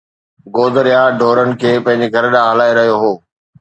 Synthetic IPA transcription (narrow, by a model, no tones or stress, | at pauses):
ɡoːd̪əɾijaɖʱoːɾənɪ̆kʰeːpɐ̃ɦɪ̃ɲ̆d͡ʑeɡʱɐɾɗãːɦəlaːeɾɐɦijoɦoː